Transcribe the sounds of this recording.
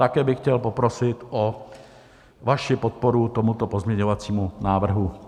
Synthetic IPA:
t̪akɛːbɪxcɛlpo̞pɾo̞sɪt̪ʔo | vaʃɪpot̪̚po̞ɾut̪o̞mut̪o̞po̞zmɲɛɲo̞vat͡siːmunaːvr̩ɦu

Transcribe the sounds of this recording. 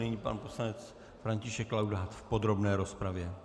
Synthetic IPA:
ɪɲiːpa̰nposlanɛt͡s | fɾaɲcɪʃɛkːlawdaːt̪fpo̞d̪ɾo̞bnɛːɾo̞spɾavjɛ

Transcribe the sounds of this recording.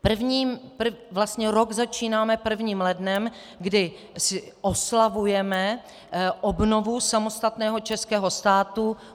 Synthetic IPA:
pr̩vɲiːmpr̩vlast̪ɲɛɾo̞ɡzat͡ʃiːnaːmɛpr̩vɲiːmlɛdnɛm | ɡdɪ | sɪʔo̞slavujɛmɛ | ʔobno̞vusamo̞st̪at̪nɛːɦo̞t͡ʃɛskɛːɦo̞st̪aːt̪u

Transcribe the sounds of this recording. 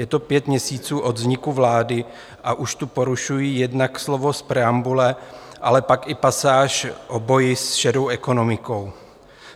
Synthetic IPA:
jɛt̪opjɛt̪mɲɛsiːt͡suːʔod̪zɲɪkuvlaːdɪ | ʔaʔuʃt̪upo̞ɾuʃujiːjɛdnakslo̞vo̞spɾɛambulɛ | ʔalɛpakɪpasaːʃʔobo̞jɪsʃɛɾo̞wʔɛko̞no̞mɪko̞w

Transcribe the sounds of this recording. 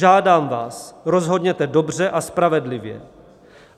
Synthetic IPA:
aːdaːmvaːsɾo̞zɦo̞dɲɛt̪ɛdo̞br̝ɛʔaspɾavɛdlɪvjɛ̰

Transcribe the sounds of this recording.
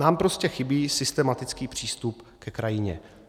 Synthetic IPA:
naːmpɾo̞scɛxɪbiːsɪst̪ɛmat̪ɪt͡skiːpr̝̥iːst̪upkɛkɾajɪɲɛ̰

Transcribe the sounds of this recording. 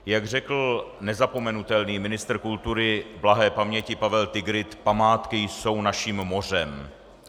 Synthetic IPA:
jaɡr̝ɛkl̩nɛzapo̞mɛnut̪ɛlniːmɪnɪst̪rkult̪uɾɪblaɦɛːpamɲɛcɪpavɛlt̪ɪɡɾɪt̪pamaːt̪kɪjso̞wnaʃiːmːo̞r̝ɛm

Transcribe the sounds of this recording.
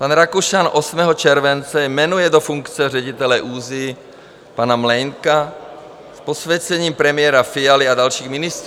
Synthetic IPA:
panɾakuʃanʔosmɛɦɔt͡ʃɛɾvɛnt͡sɛjmɛnujɛdofuŋkt͡sɛr̝ɛɟit̪ɛlɛʔuːzɪ | panamlɛŋka | sposvjɛt͡sɛɲiːmpɾɛmɪjɛɾafɪjalɪadalʃiːɣmɪnɪst̪ɾ

